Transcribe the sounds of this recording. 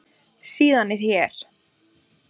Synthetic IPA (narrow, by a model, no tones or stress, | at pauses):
siːðanɛɾ̥jɛɾ̥